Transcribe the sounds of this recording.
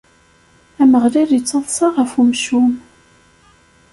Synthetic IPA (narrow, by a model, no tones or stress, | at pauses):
æməʁlæɾit͡sːɑðˤsɑʁəfumʃum